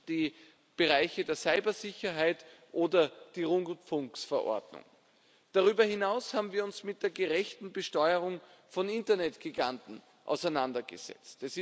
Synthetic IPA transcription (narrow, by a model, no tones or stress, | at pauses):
d̥iː | b̥eʁaɪçədeːɐsaɪbɐzɪçɐɦaɪtʔoːdɐd̥iːʁʊŋfʊŋksfɛɐʔɔ̰ɐdnʊ̰ŋ | d̥aʁyːbɐhɪnaʊshaːbm̩viːɐʊnsmɪt̚d̥eːɐɡeʁɛçtn̩bəʃtɔʏəʁʊŋ | fɔnɪntɐnɛtɡ̥iɡantn̩ | ʔa̰ʊsæɪnandɐɡ̥ə̰z̥ɛ̰t͡stɛsɪ